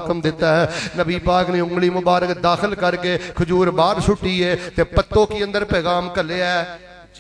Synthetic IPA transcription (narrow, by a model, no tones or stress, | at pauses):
kəmd̪ɪt̪ːaːɦɛːnəbiːpaːkneːʊŋɡliːmʊbaːɾəkd̪aːxʰəlkəɾkeːkʰʊd͡ʒuːɾbaːɾsʊʈːiːeːt̪eːpət̪ːõːkiːə̃nd̪əɾpɛːɣaːmkəleːɛː